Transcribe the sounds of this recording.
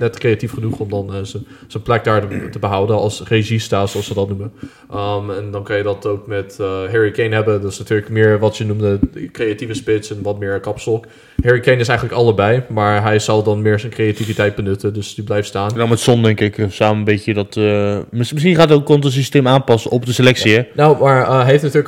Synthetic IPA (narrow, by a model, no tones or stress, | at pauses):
nɛtkrejatifχənuχɔmdɑnəsənplɛk̚daːɹtəbəɦʌwdənɑlˠsreʒistaːsoɑlˠsʋədɑtnumən | ʔmɛndɑnkɑnjədɑtowk̚mɛtɦɪɹikejnɦɛbəndtɪsnatyːɹləkmɪːɹʋɑtsənumdəkrejativəspɪtsɛnʋɑtmɪːɹkɑpsɔk | hɪɹikejnɪsɛjχənləkɑlˠəbɛjmaːɹɦɛjz̥ɑlˠdɑnmɪːɹzɛjnkrejativitɛjt̚bənɵtəndɵsdiblɛjftstaːnnamɛtsɔndɛŋkɪksaːməənbetədɑtmmɪsχinχaːtokɔntəs̬isteːmaːnpɑsəʔɔpdəselɛksiɛnowmaːɹɦejftnatyːɹlək